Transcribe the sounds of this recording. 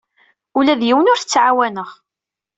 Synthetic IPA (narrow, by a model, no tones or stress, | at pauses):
ulæðjiwənʊɾθət͡sːʕawænəʁ